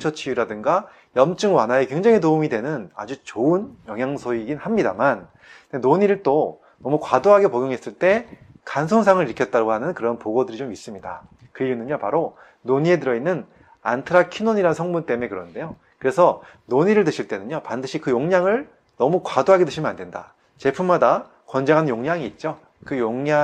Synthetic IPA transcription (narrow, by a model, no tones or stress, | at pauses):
t͡ɕʰʌt͡ɕʰijuɾadɯŋɡa | jʌmt͡ɕ͈ɯŋwanae̞kwe̞ŋd͡ʑeŋinoumidwe̞nɯna̰d͡ʑut͡ɕoɯnjʌŋjaŋsʰoiɡinhamɲidaman | enoɲiɾɯɭt͈o | nʌmukwadoɦaɡe̞poɡjoŋɦe̞s͈ɯɭt͈e̞ | kansʰonsʰaŋɯɾiɭkʰjʌt̚t͈aɾaɡoɦanɯnkɯɾʌnpoɡodɯɾit͡ɕomis͈ɯmɲida̰kɯɾiunɯɲopaɾo | noɲie̞t̬ɯɾʌinːɯn | a̰ntʰɯɾakʰinoɲiɾaɯnsʰʌŋmunt͈e̞me̞kɯɾʌnnde̞jo | kɯɾe̞sʰʌnoɲiɾɯɭt̬ɯɕʰiɭt͈e̞nɯɲɲopandɯɕʰikɯjoŋɲaŋɯɭ | nʌmukwadoɦaɡe̞tɯɕʰimənande̞nda̰ | t͡ɕe̞pʰummada | kwʌnd͡ʑaŋɦanɯnjoŋɲaŋiːt̚t͡ɕ͈o | kɯjoŋɲa